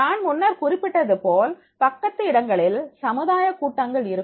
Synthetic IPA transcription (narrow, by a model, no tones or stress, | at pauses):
aːɳmʊnːɐɾkʊrɪpːɪʈːɐðɯpoːl | pɐkːɐt̪ːɯɪɽɐŋɡɐɭɪlsɐmɯðaːjɐkuːʈːɐŋɡɐɭɪɾɯ